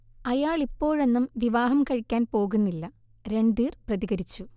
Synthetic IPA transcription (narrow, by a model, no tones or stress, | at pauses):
ɐjaːɭipːo̞ːɻe̞nːumʋiʋaːɦɐmkɐɻikʲːaːnpo̞ːɣunːilːɐ | ɾe̞ɳɖ̪iːrprɐðiɣɐɾit͡ɕːu